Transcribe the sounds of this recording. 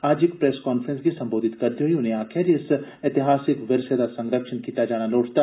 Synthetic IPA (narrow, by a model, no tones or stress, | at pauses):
aːd͡ʒekpɾeːskaːnfɾə̃nskisɐ̃mboːd̪ʱɪt̪kɐɾt̪iɦuiʊnɦẽaːkʰɪɾɪset̪ɪɦaːsɪkʋɪɾsəd̪asɐ̃ŋɡɾəkʃənkiːt̪ad͡ʒaːɽ̃aloːʈʰt̪aː